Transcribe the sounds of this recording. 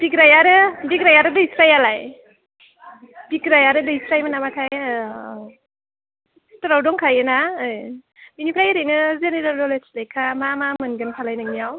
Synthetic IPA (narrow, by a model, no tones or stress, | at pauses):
b̥ikɾajaɾɯbikɾajaɾɯdɯisɾajalaj | b̥ikɾajaɾɯdɯisɾajmanamatʰaj | tɔɾawdɔŋkʰajɯnaɯj | binipʰɾajɾɯjnɯzeneɾaldɔleslajkʰamamamɯnɡɯnpʰalajnɯŋniaw